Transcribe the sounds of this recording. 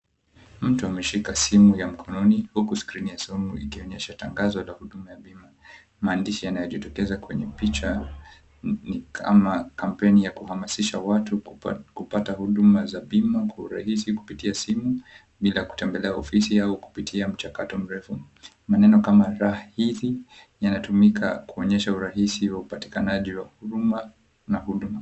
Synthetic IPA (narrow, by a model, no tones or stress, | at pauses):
m̩tuamɛʃikasimujam̩kʰɔnɔnihukuskɾinijasumuḭkiɔɲɛʃataŋɡazɔlahuɗumajaɓima | maːndiʃijanajɔʄitɔkɛzakwɛɲɛpit͡ʃa | nikʰa̰makampɛnijakuhamasiʃawatukupatahuɗumazaɓimakwauɾa̰hisiku̥pitiasimu | ɓilaku̥tɛmbɛlɛaɔfisiauku̥pitʰiam̩t͡ʃakatɔm̩ɾɛfu | manɛnɔkamaɾahahiði | janatumikʰa̰kuɔɲɛʃauɾaɦisiwaupati̥kanaʄiwahuɾuma | nahuɗuma